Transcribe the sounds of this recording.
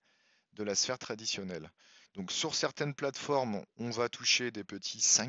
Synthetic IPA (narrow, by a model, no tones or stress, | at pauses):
d̪əlasfɛʁt̪χad̪isjɔnɛl | d̪̥ɔ̃ksyʁsɛʁt̪ɛnplat̪fɔʁmɔ̃vat̪ʰuʃed̪epət̪ʰisɛ̃